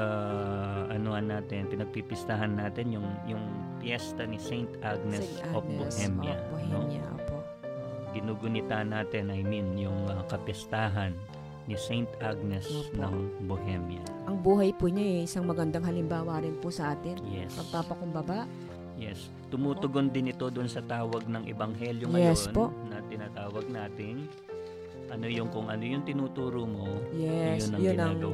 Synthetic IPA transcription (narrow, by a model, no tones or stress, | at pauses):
a | ʔɐnoɐnːaːt̪ɛnpɪnɐɡ̚pipɪst̪aɦɐnːaːt̪ɛnjʊŋjʊŋ | pjɛst̪ɐnisɛjnt̪ʔaɡ̚nɛs | ok̚bohɛmjɐ̰bohɛnomjɐʔo̰ːpoʔ | ɡɪnuːɡʊnɪt̪anaːt̪ɛnɐjminjʊŋɐkɐpjɛst̪aːɦɐnː | isɛjnt̪ʔaɡ̚nɛsnɐŋbohɛmjɐ̰ | ʔɐŋbuːɦɐjpuɲaʔɛʔɪsaŋmɐɡɐnd̪ɐŋhɦɐlɪmbaːwɐɾɪnpʊsɐʔaːt̪ɪnjɛ̰spɐɡ̚paːpɐkʊmbɐbaʔ | jɛs | t̪ʊmuːt̪ʊɡo̞nd̪ɪnɪt̪o̞d̪ʊnsɐt̪aːwɐɡ̚nɐŋʔɛbɐŋɦɛljoŋjɐɛjjsonpoʔnɐt̪ɪnaːt̪aːwɐɡ̚naːt̪ɪn | ʔɐno̞jʊŋkʊŋʔɐ̰no̞jʊŋt̪ɪnuːt̪uːɾomojɛsʊnːɐŋjʊnɪnɐŋ